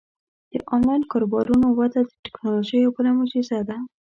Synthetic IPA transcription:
d̪̥ə̰ʔɑnlɑjnkɑɾobɑɾunowat̪ad̪əʈɪknoloʒəjopəɾamod͡ʒizad̪a

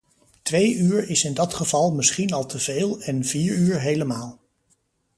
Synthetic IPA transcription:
tʋejyːɹɪsɪndɑtχəv̥ɑlˠmɪsχinɑlˠtʰəveːlˠɛnv̥iːɹyːɹɦejləmaːlˠ

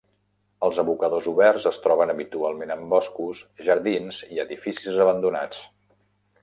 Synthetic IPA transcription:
əlˠzəβukəðozuβɛrzəst̪ɾɔβ̞ənəβit̪ualˠmenəmbɔskusʒəɾðinziəðifisizəβənd̪una̰t͡s

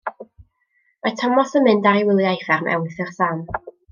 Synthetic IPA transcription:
majtʰɔmɔsəmɨndaɾiwɪlˠjajfɛrmʔɛ̰wɨθɛrsam

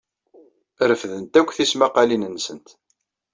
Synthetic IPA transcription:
ɾəfðənt̪ækʷːθismaqɑlinənːsənt̪

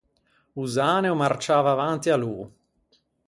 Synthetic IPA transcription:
uzaːneomart͡ʃaːvaːvant̪ialuː

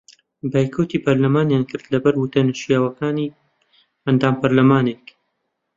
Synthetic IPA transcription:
baːjkʰowt̪iːpɐɾlɐmaːnjaːnkʰɨɾd̪lɐbɐɾwut̪ɐnɨʃjaːwɐkaːni | ɐnd̪aːmpɐɾlɐmaːneːk

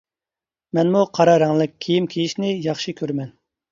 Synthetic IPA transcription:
mɛnmuqʰɑɾɑɾɛŋlˠɨk̚ʲːʰejimkʲʰejiʃnɪjɑχʃikʲʰøɾmɛn

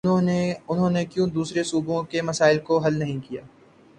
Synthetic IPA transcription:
eʊnɦõːnekjũːd̪uːsɾesuːbõkemɐsaːɪlkoɦɐlnɐɦĩkija̰ː

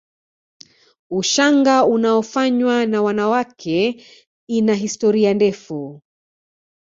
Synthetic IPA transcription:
uʃaŋɡaunaɔfaɲwanawanawakʰɛ | inaɦistɔɾiandɛfu

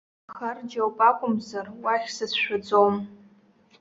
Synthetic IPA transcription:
χard͡ʒawpʼakʷʼʊmzarwaχʲsɨsʰʃʷᶣad͡zʷʼom

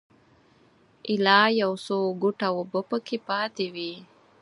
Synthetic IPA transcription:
ʔɪlɑjawsoɡuʈawobəpəkʰepɑt̪ewi

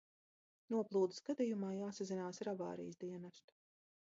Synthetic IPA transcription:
nuɔplˠuːd̪ɨsɡad̪ijumaːjaːsazinaːsɾava̰ːɾḭjsd̪iɛnast̪

